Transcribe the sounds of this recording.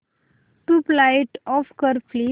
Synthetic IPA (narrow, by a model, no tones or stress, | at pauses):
ʈuplajʈɔfkəɾfli